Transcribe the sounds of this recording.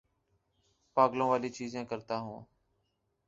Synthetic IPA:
paːɡlõːʋaːliːt͡ʃiːzẽːkəɾt̪aːɦũː

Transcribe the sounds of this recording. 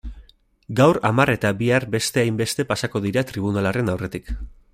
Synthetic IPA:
ɡawɾamare̞t̪abiaɾbe̞st̪e̞ajmbe̞st̪e̞pasako̞ðiɾat̪ɾiβ̞unalare̞nawre̞t̪ik

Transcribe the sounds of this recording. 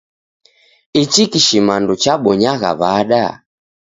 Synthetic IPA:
it͡ʃikiʃimandut͡ʃaɓɔɲaɣa̰βaɗa

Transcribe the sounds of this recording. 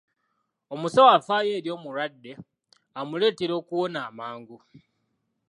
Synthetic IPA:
o̞musawafaːje̞ːɾjo̞ːmuɾwadːe̞ | amule̞ːteɾo̞ːkuwo̞naːmaːŋɡu

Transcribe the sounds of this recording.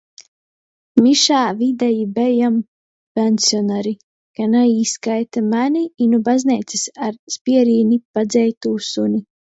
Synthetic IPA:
miʃaːvid̪ɛjibɛjam | pʲɛnsjɔnaɾi | kanaiːskajt̪amanʲiinubazʲnʲɛt̪sisaɾspiɛɾiːnʲipad̪zɛjt̪uːsunʲi

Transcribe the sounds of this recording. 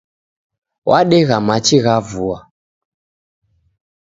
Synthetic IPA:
wʔaɗɛɣamat͡ʃiɣavua

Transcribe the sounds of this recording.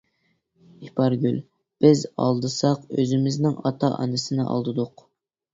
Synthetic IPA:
ipʰɑɾɡʲylʲ | b̥ɪzɑ̰lˠd̪ɨsɑqøzɪmɪznɪŋɑt̪ʰɑʔɑ̰nɨsɨnɨ̰ʔɑ̰lˠd̪ɨd̪ʊq

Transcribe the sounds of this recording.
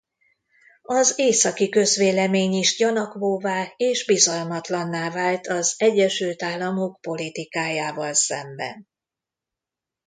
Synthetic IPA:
ɒzeːsɒkikø̞zʋeːlɛmeːɲiʃjɒnɒkvoːvaːeːʒbizɒlmɒt̪lɒnːaːvaːlt̪ʰɒzɛɟːɛʃylt̪aːlːɒmo̞kpo̞lit̪ikaːjaːvɒlsɛ̰mbɛ̰n

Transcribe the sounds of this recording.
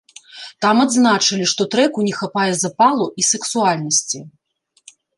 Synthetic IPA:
t̪amad̪znat͡ʂɐlʲiʂt̪ɔt̪ɾɛkunʲɛxapajɛzapalˠuʔisɛksualʲnɐsʲt͡sʲi

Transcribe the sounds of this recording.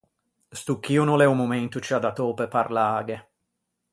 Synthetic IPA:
st̪ukːiːunulɛumumɛnt̪ut͡ʃiad̪at̪oːpɛpaɾlaaːɡe

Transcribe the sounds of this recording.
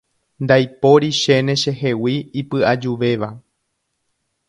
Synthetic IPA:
nd̪ajpo̞ɾiʃe̞nẽ̞ʃe̞ɦe̞wiːpɨʔad͡ʒuʋe̞ʋa

